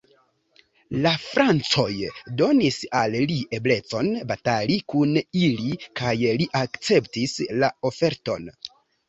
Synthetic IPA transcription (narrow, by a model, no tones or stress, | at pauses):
lafɾant͡so̞jdo̞nisallie̞ble̞t͡so̞nbatalikunilikajliʔakt͡se̞ptislao̞fe̞ɾto̞̰n